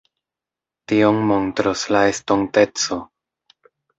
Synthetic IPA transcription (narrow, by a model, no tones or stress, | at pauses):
tio̞ŋmo̞ntɾoslae̞sto̞nte̞t͡so̞